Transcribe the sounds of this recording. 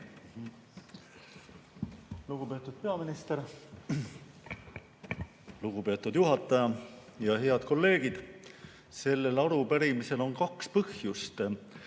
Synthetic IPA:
luɡ̥upe̞ːt̪ːˑud̪̥̚pe̞ɑminist̪eɾ | luɡ̥upe̞ːt̪ːˑud̪̥juɦɑt̪ːˑɑjɑjɑhe̞ɑd̪̥ko̞lːe̞ːɡ̥id̪̥ | se̞lːe̞lɑɾupæɾimise̞lo̞nkɑkspɤhjust̪

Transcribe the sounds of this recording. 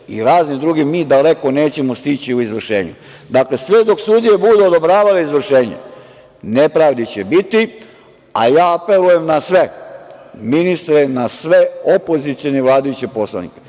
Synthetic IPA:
ḭɾaːznid̪ɾuɡimiːd̪ale̞kone̞ːt͡ɕe̞most̪it͡ɕiuizʋr̩ʃḛːɲṵ | d̪aklesʋed̪o̞ksud̪ije̞bud̪uod̪o̞bɾaːʋaleizʋr̩ʃe̞ːɲḛ | nepɾaʋd̪it͡ɕebit̪i | a̰jaːape̞luje̞mnasʋe̞ | minist̪ɾenasʋe̞opo̞zit̪sioneʋlˠaːd̪ajut͡ɕepo̞slˠa̰nḭke

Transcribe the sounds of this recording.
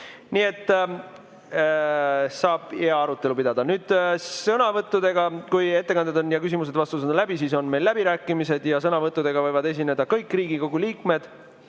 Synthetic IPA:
nie̞t̪ː | sɑːb̥eɑɑɾut̪ːˑe̞lupid̪ɑd̪̥ɑnyːd̪̥sɤnɑvɤt̪ːˑud̪̥e̞ɡ̥ɑkuje̞t̪ːekɑnd̪ed̪o̞njɑkysimus̬e̞d̪vɑst̪usɤnd̪ɑlæbisiːso̞nme̞jlːæb̥iɾæːkːˑimise̞d̪jɑsɤnɑvɤt̪ːˑud̪̥e̞ɡ̥ɑvɤjvɑd̪e̞s̬ʲine̞d̪ɑkɤjkːˑriːɡiko̞ɡ̥uliːkme̞d̪̥

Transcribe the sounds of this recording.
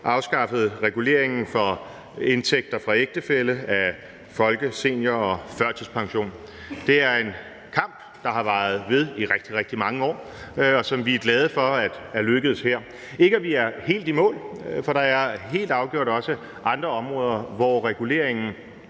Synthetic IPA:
ʔɑ̈ʊsɡ̥ɑ̈fəð̞̩ˠʁɛɡ̥ule̝̰ːɐ̰e̝ŋn̩fɒ̽ | e̝nt͡sʰeɡ̥̚d̥ɐfʁɑ̈eɡ̥̚d̥əfeləæ | fɒ̽lɡ̥əse̝̰njɐɒ̽fɶɐ̰t͡sʰispʰɑ̈ŋɕo̝̰ːn | d̥e̝æɐe̝n | kʰɑ̈m̰b̥ | d̥ɑ̈ɦɑ̈ʋɑ̈ːð̞̩ˠʋe̝ð̞ˠiʁɛɡ̥̚d̥iʁɛɡ̥̚d̥imɑ̈ŋəɒ̰ː | ɒ̽sɒ̽mʋiæɡ̥lɛːð̞ˠəfɒ̽æd̥æɐløɡ̥əð̞̩ˠsheɐ̰ | e̝ɡ̥əæʋiæɐhe̝̰ːld̥imɔ̰̽ːlfɒ̽ɾ̥ɑ̈æɐɦe̝̰ːld̥ɑ̈ʊɡ̥jo̝ɐ̰d̥ɒ̽sə | ʔɑ̈nd̥ʁɐɒ̽mʁɔ̽ːð̞ˠɐʋɒʁɛɡ̥ule̝̰ɐ̰eŋn̩

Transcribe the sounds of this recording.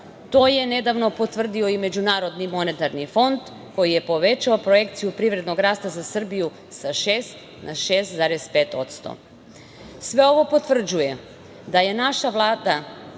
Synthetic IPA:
t̪oje̞ne̞d̪aʋno̞pot̪ʋr̩d̪io̞ime̞d͡ʑunaːɾo̞d̪nimo̞net̪aɾnifo̞nd̪ | ko̞jije̞po̞ʋe̞t͡ɕaopɾoje̞kt̪sijupɾiʋɾe̞d̪no̞ɡɾaːst̪azasr̩biju | saʃeːst̪ | nʔaʃeːst̪zaɾespeːt̪o̞̰t̪st̪o̰ | sʋe̞o̞ʋo̞po̞t̪vr̩d͡ʑuje | d̪aje̞naʃaʋlˠaːd̪a

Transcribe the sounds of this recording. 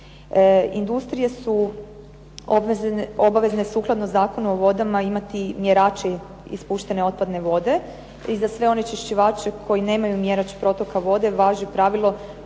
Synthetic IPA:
ind̪ust̪ɾije̞su | oo̞baʋe̞zne̞suːklˠad̪nozaːko̞nuoʋo̞d̪amaimat̪imje̞ɾaːt͡ʃe | ḭspuːʃt̪e̞ne̞o̞t̪̚pad̪ne̞ʋo̞d̪e̞ | izasʋe̞o̞ne̞t͡ʃiʃt͡ɕiʋaːt͡ʃe̞kʰo̞jine̞ːmajumje̞ɾat͡ʃpɾo̞t̪o̞kaʋo̞d̪e̞ʋaːʒupɾaːʋilˠo̞

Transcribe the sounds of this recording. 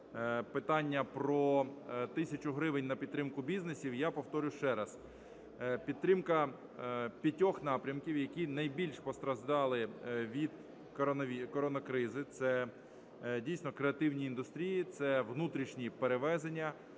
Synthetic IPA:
pɪt̪ɑnʲːɐpɾɔt̪ɪsʲɐt͡ʃʊɦɾɪʋenʲnɐpʲid̪t̪ɾɪmkʊbʲiznesʲiwjapɔwt̪ɔɾʲʊʃt͡ʃɛɾɐz | pʲid̪ɾɪmkɐ | pʲɐtʲɔxnɑpɾʲɐmkʲiwjɐkʲinɐjbʲilʲʃpɔst̪ɾɐʒd̪ɑlˠɪʋʲid̪ | ɔikɔɾɔnɐkɾɪzɪt̪sɛ | dʲijsʲnɔkɾeɐt̪ɪwnʲiːnd̪ʊst̪ɾʲijit̪sɛʋnut̪ɾʲiʃnʲipeɾeʋɛzenʲːɐ

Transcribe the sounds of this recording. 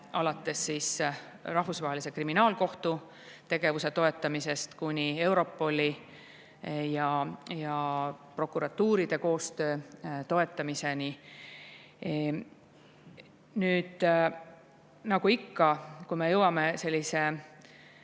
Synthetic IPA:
ɑlɑt̪ːˑe̞sːiːs | rɑhvusvɑɦelisekriminɑːlko̞ht̪u | t̪e̞ɡ̥e̞vuse̞t̪o̞e̞t̪ːˑɑmise̞st̪kunʲie̞wɾo̞pːˑo̞lʲi | jɑjɑpro̞kːˑuɾɑt̪ːuːɾid̪̥e̞ko̞ːst̪ø̞ːt̪o̞e̞t̪ːˑɑmise̞ni | nyːd̪̥ | nɑɡuikːɑkuime̞jɤwɑme̞se̞lʲːise̞

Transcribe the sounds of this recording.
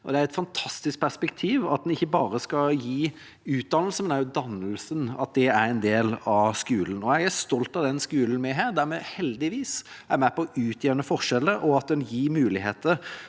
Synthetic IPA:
ʔɔd̪ɛæɾɛt̪fɑnt̪ʰɑst̪ɪsk̚pʰæʁspɛkt̪ʰiːʋɑ̰t̪̚d̪nɪçːəbɑːʁəskɑjiː | ʉːt̪̚d̪ɑnəlsəmɛnæjd̪ɑnəlsənɑ̰t̪̚d̪ɛæɾɛnd̪eːlɑskʉːlən̩ɔjæɡæst̪ɔlt̪ɑd̪ɛnskʉːln̩mɛɦæːɾd̪æɾmɛhɛld̪ɪʋiːs | æɾmæpɔɔʔʉːt̪ʰjeːɾnəfɔʁʂɛləɾʔɔɑt̪̚d̪ɛnjiːɾmʉːlɪheːt̪əɾ

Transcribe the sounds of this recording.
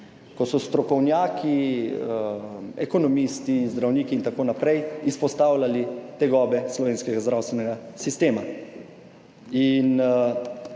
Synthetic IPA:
kɔsɔst̪ɾɔkɔwnjaːkʰi | ɛ̰kɔnɔmist̪izd̪ɾawniːkiːnt̪akoːnapɾɛjispɔst̪aːwlalit̪ɛɡɔːbɛslɔʋeːnskɛɡazd̪ɾaːwst̪ʋɛnɛɡasist̪eːma | in

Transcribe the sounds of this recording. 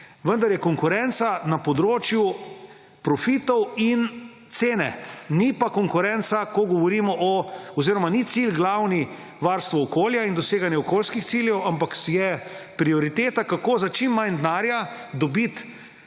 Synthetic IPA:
ʋənd̪aɾjɛkɔŋkʊɾɛnt̪sanapɔd̪ɾoːt͡ʃju | pɾɔfit̪ɔwin | t̪seːnɛnipakɔŋkʊɾɛnsakɔɡɔʋɔɾimɔʔɔɔziːɾɔmanit̪silɡlawni | ʋaɾst̪ʋɔːkoːljaind̪ɔseːɡanjɛɔkoːlskixt̪siljɛwampakjɛpɾiɔɾit̪eːt̪akakoːzat͡ʃimːajnd̪naːɾjad̪ɔbit̪

